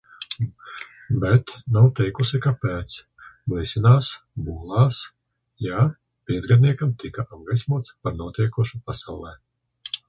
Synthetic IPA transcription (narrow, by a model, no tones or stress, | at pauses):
bɛt̪nawt̪ɛjkusikapɛːt̪s | blisinaːs | buːlˠaːs | ja | piɛd̪zɡad̪ʲniɛkamt̪ikaʔab̚ɡajsmuɔt̪spaɾnuɔt̪iɛkuʃupasawlˠɛː